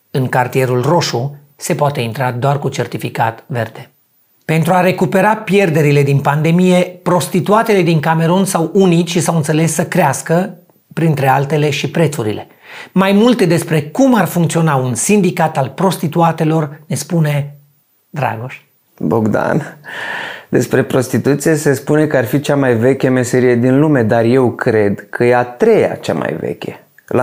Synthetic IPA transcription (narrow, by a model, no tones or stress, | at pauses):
ɨŋkart̪ie̞ɾulro̞ʃu | se̞poat̪e̞int̪ɾad̪oarkut͡ʃe̞rt̪ifika̰t̪ve̞̰rd̪e̞ | pe̞nt̪ɾuaɾe̞kupe̞ɾapje̞rd̪e̞ɾile̞d̪inpand̪e̞mije̞pɾo̞st̪it̪uat̪e̞le̞d̪iŋkame̞ɾonsawunit̪ʃisawɨnt̪se̞le̞sːəkɾeaskə | pɾint̪ɾe̞alt̪e̞le̞ʃipɾe̞t̪suɾḭle̞̰ | majmult̪e̞d̪e̞spɾekumarfuŋkt̪sio̞naunsind̪ikat̪alpɾo̞st̪it̪uat̪e̞lo̞rne̞spune̞ | d̪ɾa̰ɡoʃ | boɡd̪a̰n | d̪e̞spɾe̞pɾo̞st̪it̪ut̪sije̞se̞spune̞kəarfit͡ʃamajve̞kʲeme̞se̞ɾijed̪inlume̞d̪arje̞wkɾe̞d̪kʰəjeat̪ɾe̞ja̰t͡ʃa̰ma̰jvḛkʲḛ | la